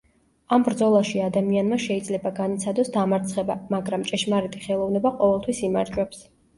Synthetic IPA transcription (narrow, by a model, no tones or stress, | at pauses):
ambɾd̪zɔlˠaʃiad̪amianmaʃɛid̪zlɛbaɡanit̪sʰad̪ɔsd̪amaɾt̪sʰχɛbamaɡɾamt͡ʃʼɛʃmaɾɛt̪ʰʼiχɛlˠɔvnɛbaqʼɔvɛlˠt̪ʰwisimaɾd͡ʒwɛps